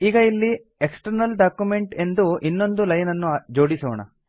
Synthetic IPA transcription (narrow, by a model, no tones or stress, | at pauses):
iːɡɐilːi | eksʈɐɾnɐlɖaːkjume̞ɳʈe̞nd̪uʔinːo̞nd̪ulɐjnɐnːud͡ʒoːɽisɔʋɐɳɐ̰